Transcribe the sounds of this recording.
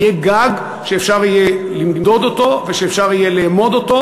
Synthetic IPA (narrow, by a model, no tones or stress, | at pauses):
jeɡaɡ | ʃeːfʃaʁijelimd̪o̞d̪o̞t̪o̞veʃeːfʃaʁijelemo̞d̪o̞t̪o̞